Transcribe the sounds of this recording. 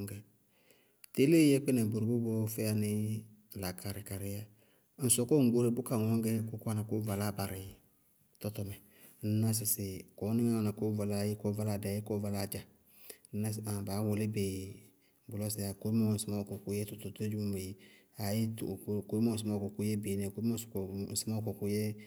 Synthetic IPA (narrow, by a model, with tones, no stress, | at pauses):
ŋɡɛ˨ | te˦le˦jɛ˦k͡pɛ˦nɛ˨bo˨ɾo˨bʊ˦bɔ˦fɛ˦a˦nɪ˦˨ | la˨kʰa˨ɾɪ˨ka˨ɾɪ˦ja˦ | n̩˨sɔ˨kɔ˦ŋ̩˦ɡ͡bo˦ɾe˦bʊ˦ka˨ŋɔ˦ŋ˦ɡɛ˦kʊ˦ka˦na˨kʊ˦va˨la˦ba˨ɾɪ˨ | tɔ˦tɔ˨mɛ˨ | n̩˦na˦s̬ɪ˨sɪ˨ko˨˦nɪ˦ɛ˦a˨na˨ko˦va˨la˦je˦ko˦va˦la˦˨dɛ˨˦e˦ko˦va˨la˨d͡ʒa˨ | n̩˦a˦sa˨baː˨˦wʊ˨lɪ˦be˨ | bʊ˨lo˦sɪ˨a˨ko˦mɔ˦˨sɪ˦ma˦kɔ˨ku˦je˦tʊ˨tʊ˨to˦d͡ʒu˦ũ˦be˨ | a˨je˦tko˨˦i˦m˦õ˨sɪ˨˦ma˦˨kɔ˨ku˦je˦bi˨˦nɛ˨ko˨˦i˦mõ˦˨˦sn̩˨sɪ˦ma˦kɔ˨ku˦je˦